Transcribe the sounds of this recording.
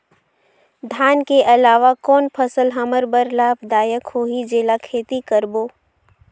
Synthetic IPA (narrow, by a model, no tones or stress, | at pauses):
d̪ʱaːnkeʔɐlaːʋakɔːnpʰəsəlɦɐməɾbəɾlaːbʰd̪aːjəkhoːɦid͡ʒeːlakʰeːt̪ikəɾboː